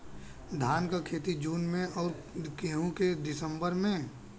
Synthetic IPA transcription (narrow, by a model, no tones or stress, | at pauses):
d̪ʱaːnkakʰeːt̪id͡ʒuːnmẽɔːɾ | keːɦũked̪ɪsə̃mbəɾmẽ